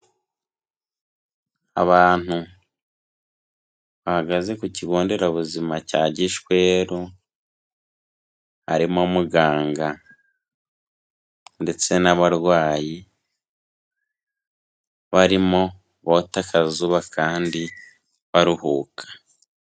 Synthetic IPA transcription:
a̰βaːn̥u | βahaɡaze̞kuciɡoːnde̞ɾaβuzimacaːɟiʃkwe̞ːɾo | haɾimo̞muɡaːŋɡa | nde̞t͡se̞naβaɾwaːji | βaɾimo̞ | βotakʰazuβakʰaːndi | βaɾuhuːkʰḁ

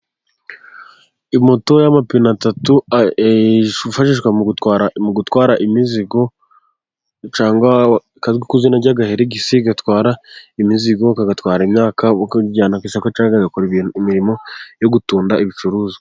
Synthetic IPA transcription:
imo̞to̞jamapinatatu | ufaʃiʃwauaɾmuɡutwaːɾaʔimiziɡo̞ | t͡ʃaːŋɡwa | kazɡikuzinaɟaɡaheɾeɡisiɡatwaːɾaimiziɡo̞kaɡatwaːɾaimɲaːkaɟaːnakwisakat͡ʃaɡazekuɾimiɾimo̞jo̞ɡutuːndaʔiβit͡ʃuɾuːzḁ

